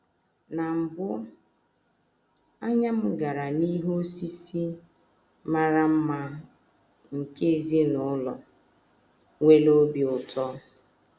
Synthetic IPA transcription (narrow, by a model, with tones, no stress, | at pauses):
na˨m̩˨bʊ˦ | a˦ɲa˦m̩˦ɡa˨ɾa˨ni˦ɦo˦si˦si˦ | ma˦ɾa˦m̩˦ma˦ | ŋ̩˨ke˦e˨zi˦nʊ˨ʊ˦lɔ˨ | ŋʷe˦lo˦bi˨ʊ˨tʰɔ˦